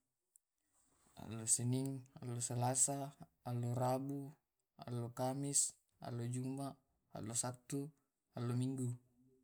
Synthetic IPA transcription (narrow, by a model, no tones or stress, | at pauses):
a̰lːosɛniŋa̰lːosəlasaːlːoɾabu | a̰lːokamis | a̰lod͡ʒuma | a̰lːosat̪ːu | alːomiŋɡu